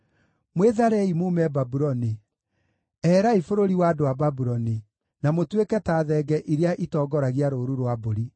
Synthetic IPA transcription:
mweðaɾɛimuːmɛbabuɾɔni | ɛːɾaifoɾoɾiwaːdowababuɾɔni | namotwekɛtaːðɛɡɛʔiɾeaʔitɔːɡɔɾaɣiaɾoːɾuɾwaboɾi

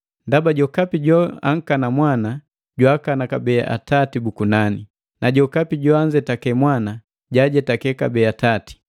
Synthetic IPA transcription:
ndabaɟɔkapiɟɔa̰ŋ̩kanamwana | ɟwakanakabɛʔa̰tatibukunani | naɟɔkapiɟɔaɲd͡ʒɛtakɛmwana | ɟaɟɛtakɛkabɛatati̥

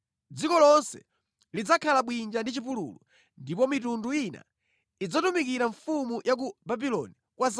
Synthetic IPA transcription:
d͡zikɔlɔnsɛ̰ | lid͡zakʰalaɓwind͡ʒandit͡ʃipulṵlu | ndipɔmitunduina̰ | id͡zatumikiɾaɱfumujʔak̬ubabilɔni | kwas

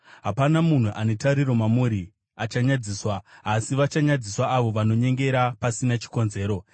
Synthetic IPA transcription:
ɦapanamun̤uʔanetaɾiro̞mamuɾi | at͡ʃaɲad͡ziːswaːsiʋat͡ʃaɲad͡ziswaːʋo̞ʋano̞ɲe̞ŋɡe̞ɾapasinat͡ʃi̥ko̞nze̞ːɾo̞

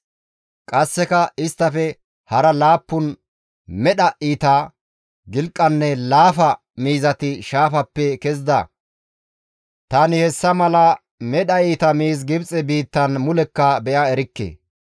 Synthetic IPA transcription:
kʼɐsːɛkɐʔɪst̪ːɐfɛ | hɐɾɐlaːpːʊn | mɛɗɐʔiːt̪a | ɡɪlkʼːɐnːɛlaːfɐ | miːzɐt̪ɪʃaːfɐpːɛkɛzd̪ɐ̰ | t̪ɐnɪhɛsːɐmɐlɐ | mɛɗɐiːt̪ɐmiːzɡɪbt͡sʼɛbiːt̪ːɐnmʊlɛkːɐbɛʔɐɛɾɪkːḛː

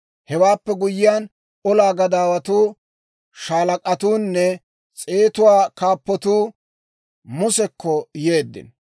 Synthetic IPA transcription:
hɛwaːpːɛɡʊjɪjaːn | ɔlaːɡɐd̪aːwɐt̪uː | ʃaːlɐkʼɐt̪uːnːɛ | t͡sʼe̞ːt̪ʊwaːkaːpːɔt̪uː | mʊsɛkːɔje̞ːd̪ːɪ̰n

